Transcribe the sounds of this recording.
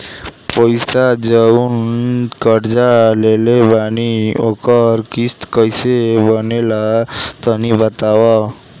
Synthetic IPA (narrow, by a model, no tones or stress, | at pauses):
pəjsad͡ʒəunkəɾd͡ʒalelebaniokəɾkist̪kəjsebənelat̪ənibət̪awa